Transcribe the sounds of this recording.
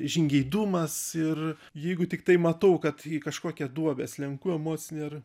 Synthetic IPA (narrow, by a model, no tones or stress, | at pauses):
ʒʲɪŋʲɡʲɛɪd̪uːmɐsɪr | jɛɪɡʊt̪ʲɪkt̪ɐɪmɐt̪ɐʊkɐt̪ikɐʃkoːkʲɛd̪uɔbʲɛːslʲɛŋkuːɛmoːt͡sʲɪnʲer